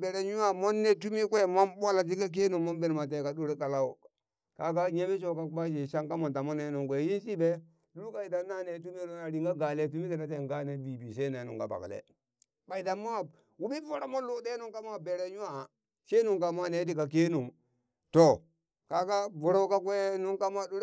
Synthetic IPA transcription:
be˨ɾe˨ɲu˦wa˨mo˦nːe˦t̬u˦mi˦kʷe˦mo˦mba˦la˨t̬i˦ka˦k̬e˦nu˨mo˦mbe˦n˨ma˨t̬e˦˨ka˨ɗo˦ɾe˦ka˨la˦u˨ | ka˨ka˦ɲe˦me˦ʃ̬o˦˨ka˦ba˦ʃe˨ʃa˦ŋka˦mo˨ta˨mo˦ne˦nu˨ŋkʷe˨ji˦nsi˦be˦ | du˦ka˦i˨da˨na˦ne˨˦tu˦mi˦no˦na˨ɾi˨ŋɡa˦ɡa˨le˦t̬u˦mi˦ke˨na˨˦t̬e˦˨ŋɡa˦ne˨bi˨bi˨se˦ne˨˦nṵ˨ka̰˨ba̰˨klḛ˨ | ba˨i˨da˨ma˦˨ | wu˦bi˦vu˦ɾa˨˦mo˦lo˦de˦nu˨ŋka˦ma˦be˨ɾe˦ɲu˦a˦˨ | ʃe˦nu˨ŋka˨ma˦ne˨˦t̬i˦ka˨k̬e˦nu˨m | to˨ | ka˦ka˦vu˨ɾa˦u˦ka˦kwe˦nu˦ŋka˦ma˦ɗo˦ɾ

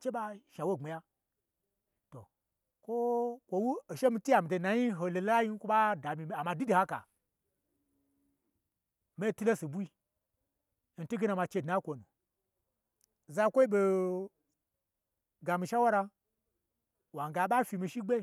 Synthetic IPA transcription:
t͡ʃe˦ɓa˦ʃa˨wo˦˨ŋ͡me˨ja˦ | to̰˨ | kʷo˦kʷo˨wu˦o˨ʃe˦mi˧ti˦ja˨mi˨to˨na˨ji˦ɦo˨lo˨la˦la˦ji˦n˦kʷo˦ɓa˦da˨mi˨a˨ma˧di˦di˨ha˦ka̰˨ | me˦˨tu˦lo˦si˨bu˦i˧ | n̩˨tu˦ɡe˦na˨ma˧t͡ʃe˧dna˨˦kʷo˨nṵ˨ | za˧˦kʷo˦i˦bo˧ | ɡa˨mi˧ʃa˦wa˦ɾa˧ | wa˨ŋ˨ɡa˨˦ɓa˦fʲi˧mi˧˨ʃi˦ɡ͡be˦

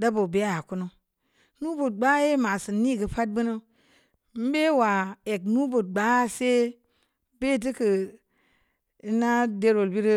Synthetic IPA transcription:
da˦bo˨be˦a˦ja˨ku˦no˦ | nu˦bu˨t̚ɡ͡ba˦je˦ma˨sɨ˨nːi˦˨ɡə˨pa˦t̚bɨ˦no˦ | m̩˦be˦wa˨e˨knu˦bu˨t̚ɡ͡ba˦se˦ | be˦˨t̬i˦kə˨ | i˦na˦de˦ɾo˨lbi˦ɾi˦

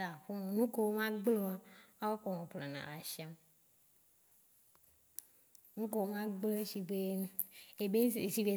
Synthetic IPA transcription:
a˨ɸo˦nɔ̃˨nũ˦ko˦wo˦mã˦ɡ͡blo˦wa˦a˦wo˦k͡pɔ˨ŋɔ̃˨pla˨nã̰˨la˨ʃi˦a˦m | nũ˦ko˦wo˦mã˦ɡ͡ble˦ʃi˨be˦ | e˨be˦˨si˦ve˨

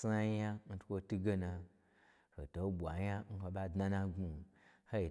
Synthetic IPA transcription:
sa˦a˦n̩˦tkʷo˧tu˦ɡe˦nã˧ | ho˨to˨˦bʷa˨ɲa˦ŋ̩˦ko˧ɓa˧dna˦nã˧ɡu˧˨ho˦i˨

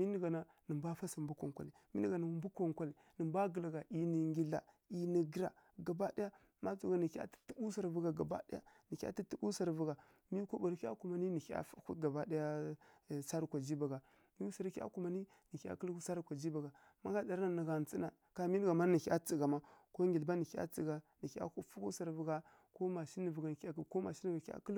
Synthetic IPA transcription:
mi˦ni˨ɡa˨na˨ | nə˨mba˦fa˦sa˨mbu˦kʷa̰˨ŋkʷa˨li˨mi˦nə˦ɡa˨na˨m˦bu˦ko˨ŋkʷa˦li˨ | nə˨mba˦ɡə˨la˨ɡa˨ʔi˨ni˨ŋɡi˦la̰˨ | i˨ni˨ɡi˦ɾa̰˨ɡa˨ba˦da˦ja˦ | ma˦t͡su˨ɡa˨ni˨ka̰˦ti̥˦tu˦bu˦sa˨ɾvu˨ɡa˨ɡa˨ba̰˦di˦ja̰˦ni˨kʲa̰˦ti˦tu˦bu˦sa˨ɾvu˨ɡa˨ | mi˦ko˦ba˨ɾka̰˦ku˨ma˨ni˦ni˨ha̰˦fa˦ku˦t̚ɡa˨ba˦da˦ja˦˨ | sa˦ɾkʷa˨d͡ʒi˦ba˨ɡa˨ | mi˦sa˨ɾka̰˦ku˨ma˨˦ni˦ | ni˨kʲa̰˦kə˦lu˦sa˦ɾkʷa˨d͡ʒi˦ba˨ɡa˨ | ma˦ɡa˦da˨ɾa˨nə˨ɡa˨n˨t͡si˦na˨ | ka˨mi˦n˦ɡa˨ma˦ni˨kʲa˦t͡si˨ɡa˨ma˦ko˦ŋɡi˨lba˦ni˨ka̰˦t͡si˨ɡa˨ni˨ka̰˦ku˦fu˦ku˦sa˨ɾvə˨ɡa˨ | ko˦ma˨ʃi˦nə˨və˨ɡa˨n˨˦a˦ko˦ma˨ʃi˦n˦ɡa˨˦a̰˦kə˦l

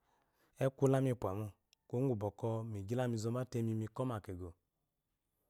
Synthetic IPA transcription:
e˦kʷu˦la˦mi˧k͡pʷa˨mu˧˨ | ko˦ŋu˨bɔ˨kɔ˧mi˨d͡ʒi˦la˦mi˧˨zo˧˦ma˦te˧mi˨˧mi˧˨kɔ˦ma˨ke˨ɡo˨

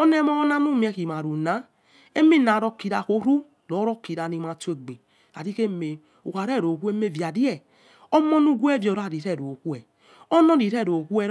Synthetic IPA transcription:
ɔ˦nɛ˦mɔ˦na˦nu˦m˦ɛ˨˧ki˨ma˨ɾu˨na˨˦ | e˦mi˦na˨ɾɔ˧ki˨ɾa˨ko˦ɾu˦ | lɔ˨˦ɾɔ˦ki˨ɾa˨ni˧ma˨te˨ɡ͡be˨ | a̰˨di˦ke˦me˨ | u˨ka˨ɾɛ˦˨ɾo˨ku˦e˦me˦vja˨di˦ɛ˨ | o˦mɔ˦nu˦ɡʷu˦ɛ˦˨vɔ˨ɾa˦˨ɾi˨ɾɛ˦˨ɾo˨ku˦ɛ˨ | o˦nɔ˦ɾi˨ɾɛ˦˨ɾo˨ku˦ɛ˧ɾ

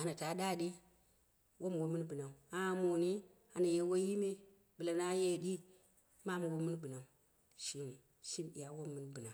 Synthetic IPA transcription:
a˨na˨ta˨˦ɗa˦˨ɗi˦ | wʔo˦m˨wo˦mɨ˦n˦bɨ˨na˨u˨a˦mo˨ni˦ | a˨na˨je˦wo˦ji˦me˦ | bɨ˨la˨na˦je˦˨di˦ | ma˦mu˨wo˦mɨ˦n˦bɨ˨na˨u˨ | ʃi˦n˨ | ʃi˦mḭ˨ja˨wo˦mːɨ˦nbɨ˨na˨

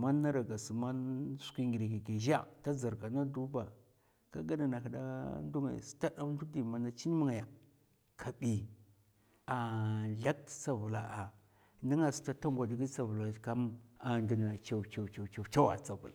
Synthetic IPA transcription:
ma˦nː˦a˦ɾa˨ɡa˨su˨ma˦nsu̥˨˦ki˦ŋɡi˨ɾe˨ki˨ɡe˨ʒa̰˦˨ta˦za˨ɾka˨na˦du˦ba̰˨ | ka˦ɡa˦na˨na˨ka˨da̰˦ndu˦ŋa̰˨j̰si̥˨˦ta˦ɗa˦m˦du˦di˨ma˨na˦t͡ʃi˦n˦mu˦ŋa˨ja˨ | kʰa˨ɓi˨ | a˨ɮa˦k̚tt͡sa˦vu˨la˨ʔa˨ | ni˦ŋa˨si̥˨ta˦ta˦ŋɡʷa˨di˨˦ɡi˦sa˨vu˨la˨ka˦ma˨ndi˨na˨t͡ʃa˨wt͡ʃa˨wt͡ʃa˨t͡ʃa˨t͡ʃa˦wa̰˨t͡sa˨vu˨la˨

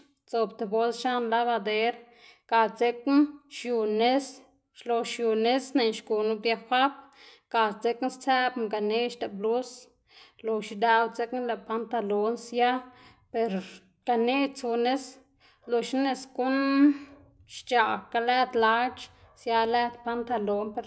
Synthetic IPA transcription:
t͡so˧bt̪e˨bo˦lsʃa˦nla˦βa˧d̪e˧ɾ | ka˨lt͡se˧knʃju˧ne˦s | ʃlo˧ʃju˧ne˦sne˨nʃku˨nu˦b̚d̪ja˧xʷa˦p | ka˨˧lt͡se˧kn˦st͡sæ˦bŋka˨ne˦ʃt̪a˨blu˦s | lo˨ʃi˧d̪a˧wt͡se˦kla˧˨pa˧nt̪a˧lo˧nsja˦ | pe˧ɾ | ka˧ne˦t͡su˧ne˦s | lo˧ʃne˧sku˦n | ʃt͡ʃa˧˨ka˧læ˦d̪la˦t͡ʃ | sja˧læ˧d̪pa˦nt̪a˧lo˨˦npe˧ɾ

